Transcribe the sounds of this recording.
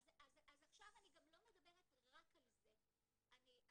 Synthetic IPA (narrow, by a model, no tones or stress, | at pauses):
azazazaχʃavaniɡamlo̞med̪abe̞ʁetʁakalze | ani